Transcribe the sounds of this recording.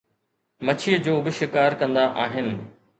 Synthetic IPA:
mɐt͡ɕʰijəd͡ʑoːbɪʃɪkaːɾkɐ̃nd̪aʔaːɦɪnɪ̆

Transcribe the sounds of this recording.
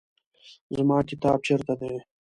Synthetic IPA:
zəmɑːkɪt̪ɑːb̚t͡ɕʰeɾt̪ad̪eː

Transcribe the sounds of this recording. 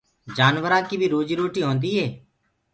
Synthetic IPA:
d͡ʒaːnʋəɾãːkiːbʱiːɾuːd͡ʒiːɾoːʈiːɦõːnd̪iːɦeː

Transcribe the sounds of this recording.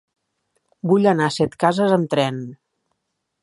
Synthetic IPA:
buʎənasɛt̪kazəzəmt̪ɾɛn

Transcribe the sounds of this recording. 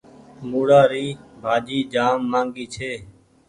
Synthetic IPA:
muːɽaːɾiːbʱaːd͡ʒiːd͡ʒaːmːãːŋɡiːt͡ʃʰeː

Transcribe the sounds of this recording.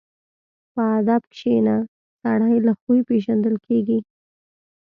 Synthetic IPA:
pəad̪abkʃena | saɽajlaxuipeʒand̪əlkeɡi

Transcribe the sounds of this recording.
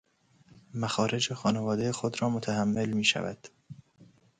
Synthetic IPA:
mæxɒːɾʔe̞d͡ʒexɒːnevɒːd̪ejexod̪ɾɒːmot̪ʰæhæmːe̞lmiːʃæ̰væ̰d̪̥

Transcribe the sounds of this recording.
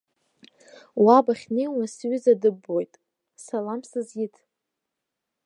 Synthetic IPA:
wabaχʲnejwnasɥʏzadɨbːo̞jtʼ | salamsɨzjɪtʰ

